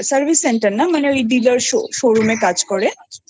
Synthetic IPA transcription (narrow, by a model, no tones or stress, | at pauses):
səɾbʱisːeɳʈəɾnamaneojɖiləɾʃo̰ʃoɾumekad͡ʑkɔɾe